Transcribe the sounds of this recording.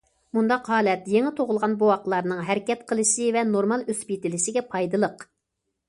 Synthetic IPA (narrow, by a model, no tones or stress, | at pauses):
mund̪ɑqɦɑːlɛt̪jeŋɪt̪ʰoʁʊlˠʁɑnbuɑqlˠɑɾnɨŋɦɛɾɪkʲɛt̪qʰəlˠɨʃɪvɛnoɾmɑlˠøspit̪ɪlɪʃɪɡʲɛpʰɑjd̪ɨlˠəq